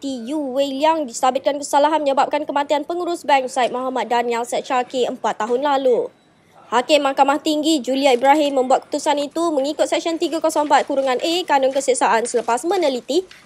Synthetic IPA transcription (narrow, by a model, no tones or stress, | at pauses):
t̪ijuweliaŋdist̪abɪt̪̚kankəsalaɦanməɲəbap̚kankəmãt̪ianpəŋuɾʊsbɛŋksait̪̚mɔɦamat̪̚danialsɛtt͡ʃakeəmpat̪ːaɦʊnlalu | hakɪmːakamaht̪iŋɡid͡ʒuliaibɾaɦɪmːə̃mbuat̪̚ku̥t̪usanit̪umə̃ŋikʊt̪̚sɛk̚sənt̪iɡakɔsɔ̃ŋəmpat̪̚kuɾuŋanʔekanɔŋkəsəsaʔansələpasmə̃nəlit̪i